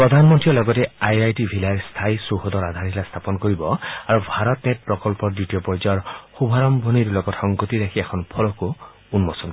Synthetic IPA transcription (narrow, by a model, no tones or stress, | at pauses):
pɹɔd̪ʱanmɔntɹiɔlɔɡɔteajajʈibʱilaɹst̪ʰajsuɦɔd̪ɔɾad̪ʱanʰilast̪ʰapɔnkɔɾibɔaɹubʱaɾɔtnet̚pɹɔkɔlpɔɾdiʈiopɔjd͡ʒɔɹxubʱaɾɔmbʱɔniɾulɔɡɔthɔŋɡɔt̪iɾakʰiekʰɔnpʰɔlɔku | unmɔsɔnk